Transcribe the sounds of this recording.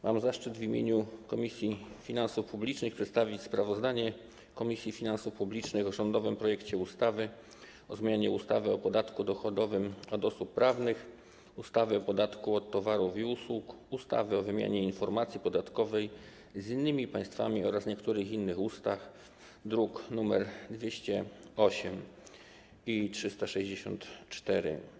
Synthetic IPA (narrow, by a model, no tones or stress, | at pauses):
mʔa̰mzaʂt͡ʂɘd̪vʲimʲjḛɲukɔmʲisʲjifʲinansufpublʲit͡ʂnɘxpʂɛt̪st̪avʲit͡ɕspɾavɔzd̪aɲɛ | kɔmʲisʲjifʲinansufpublʲit͡ʂnɘɣɔʐɔnd̪ɔvɘmpɾɔjɛkt͡ɕɛust̪avɘ | ɔzmʲjaɲɛust̪avɘɔpɔd̪at̪kud̪ɔxɔd̪ɔvɘmɔd̪ɔsupːɾavnɘx | ust̪avɘɔpɔd̪at̪kuɔt̪ːɔvaɾufiuswukust̪a̰vɘɔvɘmʲja̰ɲɛinfɔɾmat̪sʲjipɔd̪at̪kɔvɛj | zinːɘmʲipãj̃st̪fa̰mʲiɔɾasɲɛkt̪uɾɘxinːɘxust̪ax | d̪ɾuknumɛɾd̪vʲjeɕt͡ɕɛɔɕɛm | itʂɘst̪aʂɛʑd͡ʑeɕɔ̰nt̪t͡ʂt̪ɛɾɘ̰